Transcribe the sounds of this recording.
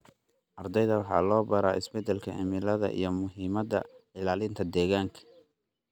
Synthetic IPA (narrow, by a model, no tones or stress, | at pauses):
ʔɐrd̪ɛjðɐwɑħɑ̰ːlɔːbɐɾaːʔɪ̰sbɛd̪ɛlkʰɐʕɪ̰mɪlɐðɐ̰ʔḭjɞmʊɦiːmɐd̪ɐ̰ɪlaːlɪnt̪ʰɐd̪ɛːɣaːŋkʰɐ̥